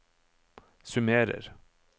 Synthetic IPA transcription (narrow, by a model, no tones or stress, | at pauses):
sʉmeːɾə̰ɾ